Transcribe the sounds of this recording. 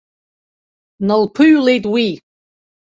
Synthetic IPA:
nəlˠpʰɨɥlejtʼwi

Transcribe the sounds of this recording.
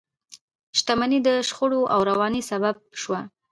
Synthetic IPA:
ʃt̪amanid̪əʃxʊɽoʔawɾawɑnisabab̚ʃwa

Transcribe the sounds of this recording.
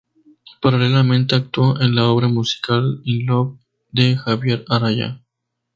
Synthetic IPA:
paɾale̞lamẽ̞nt̪e̞ak̚t̪woʔenlao̞βɾamusi̥kalinloβ | d̪exaβje̞ɾaɾaʝa̰

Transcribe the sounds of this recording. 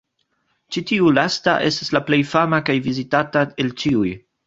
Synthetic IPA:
t͡ʃitiulasta̰ʔe̞stḁslaple̞jfamakajvizitatae̞lt͡ʃiuj

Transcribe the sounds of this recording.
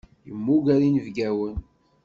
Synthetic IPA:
jəmːuɡæɾinəvɡæwən

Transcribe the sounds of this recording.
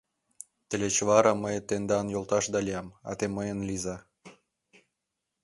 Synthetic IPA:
t̪ə̆lʲet͡ɕβɑɾɑməjt̪end̪ɑnjolt̪ɑʃd̪ɑlʲijɑmɑ̰t̪eməjə̆nlizɑ

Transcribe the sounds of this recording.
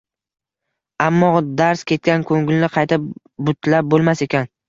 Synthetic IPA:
amːɒd̪aɾskʲʰe̞t̪̚kʲankʰoŋɡɪlnɪqʰɑjt̪ʰɪp̚ | bʊt̪lap̚bolˠmase̞kʲʰan

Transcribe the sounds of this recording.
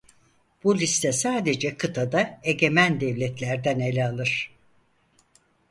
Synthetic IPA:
b̥ulʲist̪ʰɛsaːd̪e̞d͡ʒɛkʰɯt̪ʰad̪aeɟʲe̞mænd̪ɛvlʲɛt̪ʰlʲæɾd̪ænelʲɛalˠɯɾ̥

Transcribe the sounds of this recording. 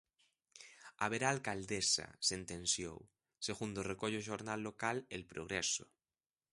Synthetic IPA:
aβ̞eɾaːlkald̪esa̰sent̪ẽnsjo̰w | seɣund̪orekoʎoʃoɾnalːokalelpɾoɣ̞ɾeso̰

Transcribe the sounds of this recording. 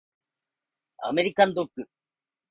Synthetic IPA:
ɐ̰mɛɾikːɐnd̪okːɯ

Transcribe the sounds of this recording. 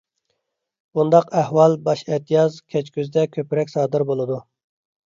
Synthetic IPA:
bund̪ɑqæhwɑlˠbɑʃɛt̪ʰijɑzkʲʰɛt͡ʃkʲyzd̪ɛkʲʰøpɪɾɛkʲsɑːd̪ɨɾbolˠɨd̪u

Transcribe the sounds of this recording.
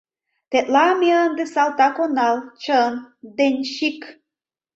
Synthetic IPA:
t̪et̪lɑmiənd̪esɑlt̪ɑkonɑlˠt͡ɕənd̪enʲʃik

